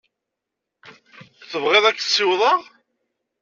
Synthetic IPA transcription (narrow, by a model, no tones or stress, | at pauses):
θəvʁeðˤækːθə̥sːɪwðˤɑʁ